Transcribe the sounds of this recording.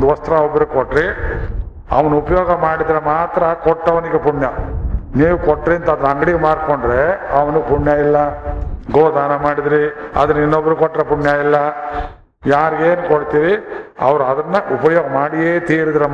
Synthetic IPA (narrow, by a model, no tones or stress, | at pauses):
d̪uʋɐst̪ɾɐobːɾukoʈːɾi | ɐ̰ʋɐnuupɐjoːɡɐmaːɽid̪ɾemaːt̪ɾɐkɔʈːɐʋɐniɡepuɳjɐniːʋukoʈːɾiɐnt̪ɐd̪ɐɾɐŋɡɐɽiɡemaːɽkoɳɖɾe̞ɐʋɐnupuɳjaːilːɐɡoːd̪aːnɐmaːɽid̪ɾiɐ̰d̪ɐnːɐinːobːɐɾukɔʈːɾepuɳjaːilːɐ | jaːɾiɡeːnukoɽt̪iːɾiɐ̰ʋɐɾuɐd̪ɐnːɐʔupɐjoːɡɐmaːɽieːt̪iːɾid̪ɾe